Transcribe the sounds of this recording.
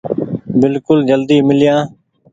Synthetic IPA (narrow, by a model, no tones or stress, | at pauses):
bɪlkʊld͡ʒəld̪iːmɪljãː